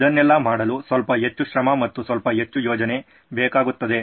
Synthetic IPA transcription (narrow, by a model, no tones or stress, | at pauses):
id̪ɐnːɛlːɐmaːɽɐlusʋɐlpɐɦe̞t͡ʃːuʃɾɐmɐmɐt̪ːusʋɐlpɐɦe̞t͡ʃːujoːd͡ʒɐne̞ | bɛːkaːɡut̪ːɐd̪e̞